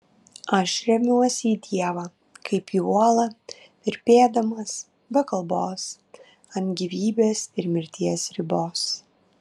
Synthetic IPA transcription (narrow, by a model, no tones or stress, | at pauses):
ɐʃɾʲɛmʲuɔsʲiːt̪ʲiɛʋɑː | kʰɐɪpiuɔlˠɐ | pʲɪɾʲpʲeːd̪ɐmɐs | bɐkɐlˠboːs | ɐnt̪ɡʲiʋʲiːbʲeːsɪɾmʲɪɾʲt̪ʲiɛsɾʲɪboːs